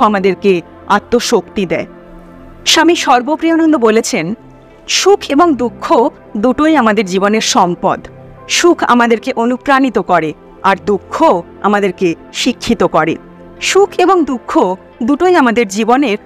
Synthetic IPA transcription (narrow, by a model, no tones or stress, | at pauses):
oamad̪eɾke | at̪ːoʃokt̪id̪ɛe | ʃamiʃɔɾbopɾionond̪obolet͡ɕʰen | ʃukʰeboŋd̪ukʰːo | d̪uʈojamad̪eɾd͡ʑiboneɾʃɔmpɔ̰d̪ | ʃukʰa̰mad̪eɾkeʔonupɾanit̪okɔɾe | aɾd̪ukʰːo | a̰mad̪eɾkeʃikʰːit̪okɔɾḛ | ʃukʰeboŋd̪ukʰːo | d̪uʈojamad̪eɾd͡ʑiboneɾ